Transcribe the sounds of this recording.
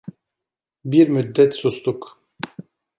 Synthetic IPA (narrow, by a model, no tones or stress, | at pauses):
biɾmyd̪ːɛt̪sust̪uk